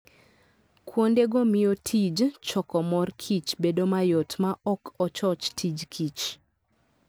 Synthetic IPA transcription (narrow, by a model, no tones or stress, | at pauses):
kʰwondeɡomɪjotʰid͡ʒt͡ʃɔkɔmɔrkʰit͡ʃbedomajɔtmaʔɔkʰɔt͡ʃɔt͡ʃtʰid͡ʒkʰit͡ʃ